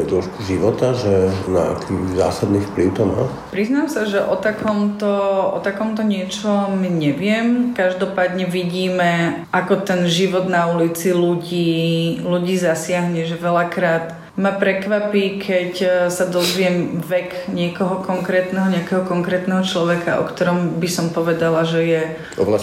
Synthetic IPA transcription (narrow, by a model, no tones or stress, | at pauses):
d̪lɔʃkuʒiʋɔt̪aʒɛna̰a̰kʰiːza̰ːsad̪niːfpliʊt̪ɔma̰ː | pɾiznamsaʒɛʔɔt̪akʰɔmt̪ɔʔɔ̰t̪akɔmt̪ɔɲɪɛt͡ʃɔmɲɛʋɪɛmkaʒd̪ɔpaːd̪ɲɛʋiɟiːmɛ | ʔakɔt̪ɛnʒiʋɔd̪naulit͡siluɟiːluɟiːzasɪaɦɲɛʒɛʋɛlakɾaːt̪ | mapɾɛkʋapiːkʰɛcsad̪ɔzʋɪɛmʋɛkɲɪɛkɔɦɔkɔŋkɾɛːt̪nɛɦɔɲɛakɛɦɔkɔŋkɾɛːt̪nɛɦɔt͡ʃlɔʋɛkaʔɔ̰kt̪ɔɾɔmbisɔmpɔʋɛd̪alaʒɛjɛ | ɔ̰bla